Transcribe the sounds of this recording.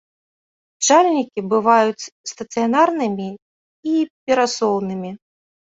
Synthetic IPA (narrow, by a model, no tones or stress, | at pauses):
t͡ʂalʲnʲikʲibɨvajut͡sʲst̪ɐt̪sɨjanarnɨmʲi | ipʲɛɾasɔwnɨmʲi